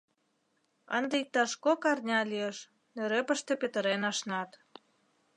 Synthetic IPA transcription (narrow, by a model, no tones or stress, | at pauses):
ə̰nd̪eik̚t̪ɑʃkokɑrnʲɑlieʃ | nøɾepəʃt̪epet̪ə̆ɾenɑʃnɑt̪